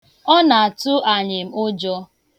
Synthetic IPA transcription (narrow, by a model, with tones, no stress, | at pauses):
ɔ˦na˨a˨tʊ˦ʔa˨ɲɪ˨m̩˦ʊ˦d͡ʒɔ˦